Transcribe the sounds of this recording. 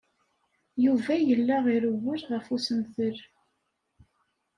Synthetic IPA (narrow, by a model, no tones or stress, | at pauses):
juvæjəlːæʁiɾəwːʊɾʁəfusəmθəɾ